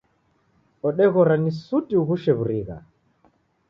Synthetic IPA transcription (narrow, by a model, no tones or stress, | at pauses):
ɔɗɛɣɔɾanisutiuɣuʃɛβuɾiɣa̰